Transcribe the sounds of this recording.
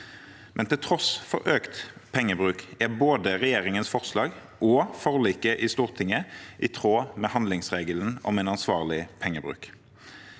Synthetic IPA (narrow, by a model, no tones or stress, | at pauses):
mʔɛnt̪ɪlt̪ʰʁɔsfɔ̰ɾʔøːkt̪pʰɛŋːəbʁʉːkæʁboːd̪əʁɛjeːʁɪŋənsfɔʁslɑːɡ | ʔɔːfɔʁliːkəʔiːst̪uːʁt̪ʰɪŋːəʔɪt̪ʰʁoːmeːhɑnd̪lɪŋsʁeːɡəln̩ɔ̰mɛɪnɑnsʋɑːʁlɪpʰɛŋːəbʁʉ̰ːk